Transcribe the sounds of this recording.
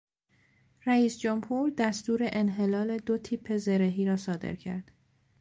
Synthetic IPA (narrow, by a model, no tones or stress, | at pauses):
ræiːsd͡ʒomhuːɾd̪æst̪uːɾe̞ʔenɦe̞lɒːle̞d̪ot̪ʰiːpʰːe̞ze̞ɾeɦiːɾɒːsɒːd̪ḛɾcʰæ̰ɾd̪̥